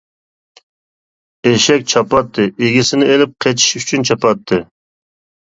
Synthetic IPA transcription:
eʃɛk̚ʲt͡ʃʰɑpɑt̪ʰːɨʔeɡʲisɪnɪelɪp̚qʰet͡ʃʰi̥ʃyt͡ʃʰynt͡ʃʰɑpɑt̪ʰːɨ

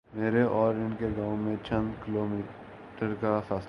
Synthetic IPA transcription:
meːɾeʔɔːɾɪnkeɡaːõmẽt͡ʃʰɐ̃nd̪kɪloːmiː | ʈəɾkafaːs

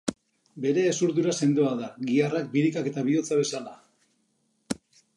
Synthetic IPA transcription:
be̞ɾe̞ːsuɾðuɾase̞nd̪oaðaɣiarak̚biɾikake̞t̪aβ̞io̞t͡saβe̞sala

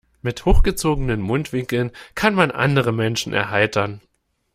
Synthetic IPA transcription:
mɪthoːxɡ̥ət͡soːɡənənmʊntv̥ɪŋkl̩nkʰanmanʔa̰ndəʁəmɛnʃn̩ʔɛ̰ɐɦaɪtɐn

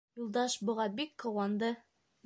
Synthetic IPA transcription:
julˠd̪ɑʃbŏʁɑbikːŏwɑnd̪ɤ

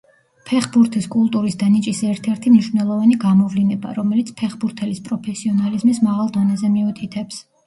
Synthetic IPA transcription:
pʰɛχbuɾt̪ʰiskʼulˠt̪ʼuɾisd̪anit͡ʃʼisɛɾt̪ʰɛɾt̪ʰimniʃvnɛlˠɔvaniɡamɔvlinɛba̰ɾɔmɛlit̪sʰpʰɛχbuɾt̪ʰɛlispʼɾɔpʰɛsiɔnalizmismaʁalˠd̪ɔnɛzɛmiut̪ʰit̪ʰɛps

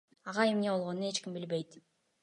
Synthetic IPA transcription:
ɑʁɑe̞mne̞bo̞lˠʁo̞nune̞t͡ʃkʲimbilbe̞jt̪

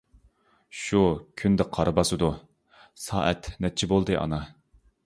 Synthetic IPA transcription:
ʃukʲʰynd̪ɪqʰɑɾɨbɑsɨd̪u | sɑ̰ːʔɛt̪nɛt̚t͡ʃʰibolˠd̪ɨʔɑ̰nɑ

